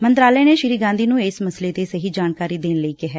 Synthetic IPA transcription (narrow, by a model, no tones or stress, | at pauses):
mənt̪ɾaːləːneːʃɪɾiːɡãːnd̪iːnũːɪsməsleːt̪eːsəɦiːd͡ʒaːnkaːɾiːd̪eːnləiːkɪɦɛː